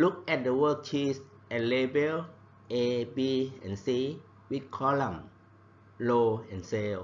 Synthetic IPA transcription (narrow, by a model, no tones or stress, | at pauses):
luk̚ɛt̚dəwək̚t͡ʃʰis | ʔɛt̚lebəl | ebiɛ̃nsi | wit̚kʰɔlə̃m | loɛ̃nsel